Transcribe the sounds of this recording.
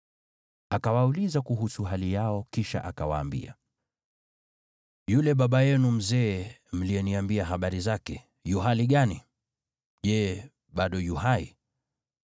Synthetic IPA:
akawaulizakuɦusuɦalijaɔkiʃa̰ʔakawa̰ːmbḭa̰ | julɛɓaɓajɛnum̩zɛːm̩liɛniambiaɦaɓaɾizakɛ | juɦaliɠani | ʄɛ | ɓaɗɔjuɦaḭ

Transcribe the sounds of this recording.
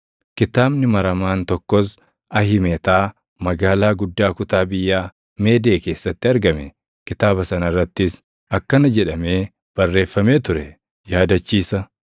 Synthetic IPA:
kɪt̪aːbnɪmɐɾɐmaːnt̪ɔkːɔs | ɐhɪmet̪aː | mɐɡaːlaːɡʊd̪ːaːkʊt̪aːbɪjːaː | me̞ːd̪eːke̞ːsːɐt̪ːɪɐɾɡɐmɛ | kɪt̪aːbɐsɐnɐɪrːɐt̪ːɪs | ɐkːɐnɐd͡ʒɛᶑɐme̞ː | b̥ɐrːe̞ːfːɐme̞ːt̪ʊɾɛ | jaːd̪ɐt͡ʃːiːsɐ

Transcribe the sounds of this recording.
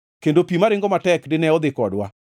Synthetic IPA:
kendopimaɾɪŋɡɔmatɛkdɪnɛɔd̪ɪkɔdwa̰

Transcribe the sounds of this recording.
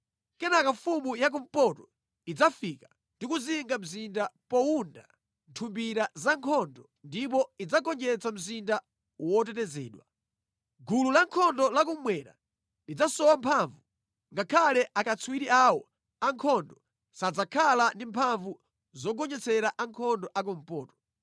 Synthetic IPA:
kɛnakafumujak̬um̩pɔtɔ | id͡zafika | ndikuziŋɡam̩zindapɔunda | ntʰumbiɾazaŋkʰɔndɔ | ndip̬ɔid͡zaɡɔɲd͡ʒɛt͡sam̩zinda | wɔt̬ɛtɛzɛ̰ːɗwa | ɡululaŋkʰɔndɔlak̬umwɛɾa̰ | lid͡zasɔwampʰaɱvu | ŋɡakʰalɛʔakat͡sʰuwiɾiawɔ | aŋkʰɔndɔ | sad͡zakʰalandimpʰaɱvu | zɔɡɔɲɛt͡sɛɾaʔaŋkʰɔndɔʔak̬um̩pɔːtɔ̥

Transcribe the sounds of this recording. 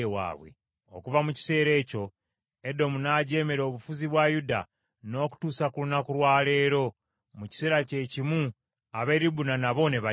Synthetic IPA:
ewa̰ːβwe̞̰ | o̰kuvamuci̥se̞ːɾe̞ːco̞ | e̞do̞munaɟe̞ːme̞ɾo̞ːβufuziβwajuda̰ | no̞ːku̥tuːsakulunakulwaːle̞ːɾo̞ | muci̥se̞ːɾace̞cimu | aβe̞ɾiβunanaβo̞ne̞βa

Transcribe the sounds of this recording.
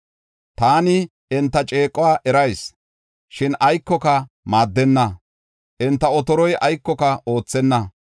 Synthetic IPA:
t̪aːnɪ | ɪnt̪ːɐt͡ʃʼeːkʼːɔwaːʔɛɾɐjs | ʃɪnʔɐjkːɔkɐ | maːd̪ːɛnːɐ | ʔɪnt̪ːɐɔt̪ɔɾɔjʔɐjkːɔkɐo̞ːt͡sːɛnːɐ

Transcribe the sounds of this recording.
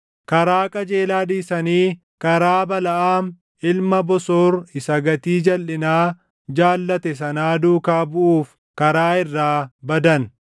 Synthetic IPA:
kɐɾaːkʼɐd͡ʒeːlaːᶑiːsɐniː | kɐɾaːbɐlɐʔaːm | ɪlmɐbɔsoːrɪsɐɡɐt̪iːd͡ʒɐlːɪnaː | d͡ʒaːlːɐt̪ɛs̬ɐnaːd̪uːkaːbʊʔuːf | kɐɾaːɪrːaːbɐd̪ɐn

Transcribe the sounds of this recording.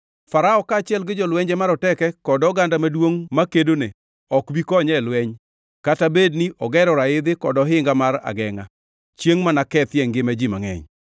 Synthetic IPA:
faɾaɔkaːt͡ʃɪjɛlɡɪd͡ʒɔlwɛɲd͡ʒɛmaɾɔtɛkɛkɔdɔɡandamadwoŋmakedone | ɔkbikɔɲɛlwɛɲ | katabedniʔɔɡɛɾɔɾaɪd̪ɪkɔdɔɦɪŋɡamara̰ɡɛŋa̰ | t͡ʃjeŋmanakɛt̪jɛŋɡɪmad͡ʒimaŋɛ̰ɲ

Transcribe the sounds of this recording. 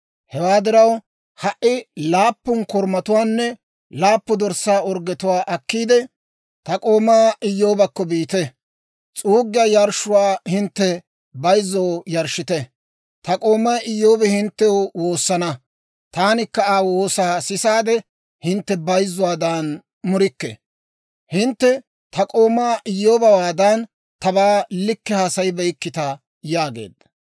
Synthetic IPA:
hɛwaːd̪ɪɾɐw | hɐʔɪlaːpːʊnkɔɾmɐt̪ʊwaːnːɛ | laːpːʊd̪ɔɾsaːɔɾɡɛt̪ʊwaːʔɐkːiːd̪ɛ | t̪ɐkʼo̞ːmːaːʔɪjːo̞ːbɐkːɔbiːt̪ɛ | t͡sʼuːɡːɪjɐjɐɾʃʊwaːhɪnt̪ːɛ | bɐjzːɔwjɐɾʃːɪt̪ɛ | t̪ɐkʼo̞ːmːɐjɪjːo̞ːbɛhɪnt̪ːɛwwo̞ːsːɐnɐ | t̪aːnɪkːɐaːwoːsaːsɪsaːd̪ɛ | hɪnt̪ːɛbɐjzːʊwaːd̪ɐn | mʊɾɪkːɛ̰ | hɪnt̪ːɛ | t̪ʰɐkʼo̞ːmːaːʔɪjːoːbɐwaːd̪ɐn | t̪ɐbaːlɪkːɛhaːsɐjbɛjkːɪt̪ɐ | jaːɡḛːd̪ːɐ̥

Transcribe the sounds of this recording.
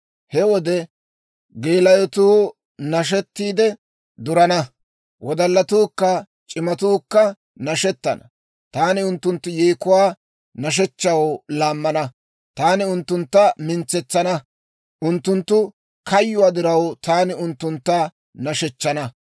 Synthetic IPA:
hɛwɔd̪ɛ | ɡeːlɐjɔt̪uː | nɐʃ̬ɛt̪ːiːd̪ɛ | d̪ʊɾɐnɐ | wʔɔd̪ɐlːɐt̪uːkːɐ | t͡ʃʼɪmɐt̪uːkːɐ | nɐʃɛt̪ːɐ̰nɐ | t̪aːnɪʊnt̪ːʊnt̪ːʊjeːkʊwaː | nɐʃ̬ɛt͡ʃːɐwlaːmːɐnɐ | t̪aːnɪʊnt̪ːʊnt̪ːɐmɪnt͡sːɛt͡sːɐnɐ | ʔʊnt̪ːʊnt̪ːʊ | kɐjːʊwaːd̪ɪɾɐwt̪aːnɪʊnt̪ːʊnt̪ːɐ | nɐʃɛt͡ʃːɐnɐ

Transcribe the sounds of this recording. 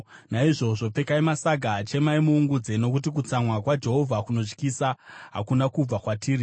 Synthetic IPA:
naiʐo̞ʐo̞p͡fe̞kaimasaɡʱat͡ʃe̞maimuːŋɡud͡ze̞no̞kutik̬ut͡samwakwad͡ʒe̞ɦo̞vʱakuno̞t͡ʃkisaɦa̰kunakub͡vakwatʰiːri

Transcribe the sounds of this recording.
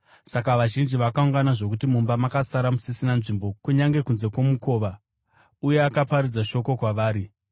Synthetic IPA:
sakaʋaʒind͡ʒiʋakauŋɡanaʐo̞k̬utimumbamakasaɾamusisinanʐimbo̞kuɲaŋɡe̞kunze̞kwo̞muko̞ːʋa | uje̞akapaɾiud͡zaʃo̞ko̞kwaʋaːɾi

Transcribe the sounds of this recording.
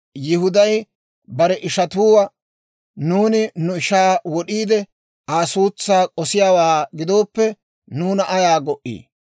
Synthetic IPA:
jɪhʊd̪ɐj | bɐɾɛʔɪʃɐt̪uːwɐ | nuːnɪnʊɪʃaːwɔɗiːd̪ɛ | aːsuːt͡sːaːkʼɔsɪjaːwaːɡɪd̪o̞ːpːɛ | nuːnɐʔɐjaːɡɔʔḭː

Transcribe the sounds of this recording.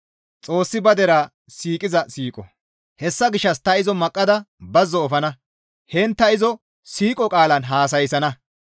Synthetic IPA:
t͡sʼo̞ːsːɪbɐd̪ɛɾɐ | siːkʼɪzɐsiːkʼɔ̰ | hɛsːɐɡɪʃːɐst̪ɐɪzɔmɐkʼːɐd̪ɐbɐzːɔːfɐnɐ | hɛnt̪ːɐɪzɔ | siːkʼɔkʼaːlɐnɦaːs̬ɐjsɐnɐ

